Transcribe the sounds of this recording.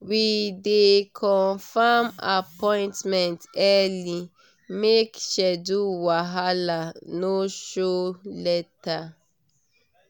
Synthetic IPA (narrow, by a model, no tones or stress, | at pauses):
widekʰɔ̃nfamapɔ̃ɪ̃ntmɛ̃ntɛli | mekʃɛduwaɦalanoʃolɛta